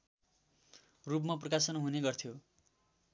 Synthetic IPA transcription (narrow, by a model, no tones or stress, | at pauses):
rup̬map̬rʌkasʌnɦuneɡʌrt̪ʰjo